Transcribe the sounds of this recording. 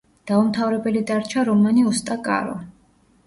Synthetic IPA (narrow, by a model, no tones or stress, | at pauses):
d̪̥aumt̪ʰavɾɛbɛlid̪aɾt͡ʃʰaɾɔmaniust̪ʼakʼa̰ɾɔ̰